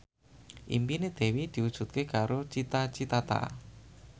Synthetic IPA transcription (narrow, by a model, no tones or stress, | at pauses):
ʔḭmpined̪̥e̤wid̪̥i̤wud̥ʒ̥ṳt̪̚kekaɾot͡ʃit̪at͡ʃit̪at̪a̰